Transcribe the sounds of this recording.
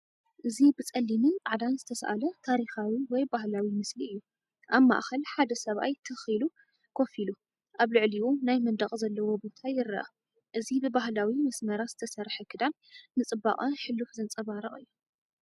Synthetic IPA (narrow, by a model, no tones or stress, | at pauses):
ʔɨzibɨt͡sʼɐlːimɨaʕd̪anzɨt̪ʰɐsʔa̰lɐt̪ʰaɾixawiwɔjbahlawimɨsliɨjːu | ʔaβma̰ʔxɐlħad̪ɐsɐβʔajt̪ʰɨxilu | kʰofilu | ʔaβlɨʕliwunajmɐnd̪ɐχʼzɐlːɐwɔbo̞t̪ʰajɪrɐ̰ʔɐ | ʔɨzibɨbahlawimɐsmɐɾazɨ̥t̪ʰɐsɐɾħɐkʰɨd̪am | nɨt͡sʼɨba̰χʼɐnħɨlːufzɨnt͡sʼɐβaɾɐχʼɨjːu